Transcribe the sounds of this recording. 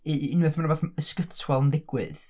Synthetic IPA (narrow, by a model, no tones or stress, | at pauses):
iɪnwɨθmanəboːθəskətʰwɛlˠndɪɡ̥wɨ̰ð